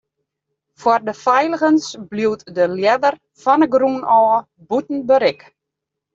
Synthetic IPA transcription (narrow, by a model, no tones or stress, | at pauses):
fwardəfɛjləɣənsbliwtdəljɛdər | fɔnəɡrunɔː | butn̩bəɾɪk